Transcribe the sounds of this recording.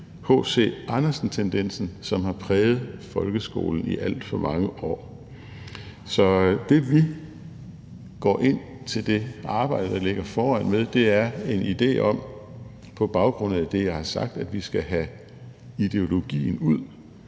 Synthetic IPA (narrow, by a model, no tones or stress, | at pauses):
ho̰ːse̝̰ːɑ̈nɐsn̩t͡sʰend̥en̰sn̩sɒ̽mhɑ̈pʰʁɛːð̞̩ˠfɒ̽lɡ̥əsɡ̥o̝̰ːln̩ḭʔæl̰d̥fɒ̽mɑ̈ŋəʔɒ̰ː | sɒ̽d̥e̝ʋi | ɡ̥ɒ̰ːʔe̝n̰ | t͡sʰe̝ld̥e̝ɑ̈ːb̥ɑ̈ɪ̰d̥əd̥ɑ̈le̝ɡ̥ɐfɒːæn̰meðˠd̥e̝æɐe̝nid̥e̝̰ːʔɒ̽m̰ | pʰɒ̽b̥ɑ̈ʊɡ̥ʁɔ̽n̩ˠæd̥e̝jɑ̈ɪhɑ̈sɑ̈ɡ̥̚d̥æd̥ʋisɡ̥æɦæ | id̥e̝o̝lo̝ɡ̥ḭːn̩uð̰ˠ